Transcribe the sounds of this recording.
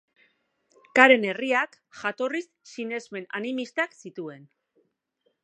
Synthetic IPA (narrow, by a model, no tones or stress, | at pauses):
kaɾe̞ne̞riak | ʝat̪o̞risːine̞zme̞na̰nimist̪aksit̪ue̞n